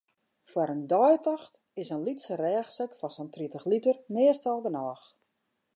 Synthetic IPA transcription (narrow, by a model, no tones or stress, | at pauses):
fwaɾəndɔjtɔxt | ɪsənlitsərɛːxsəkfɔsɔntritəxlitərnɪəstɔlˠɡənɔːx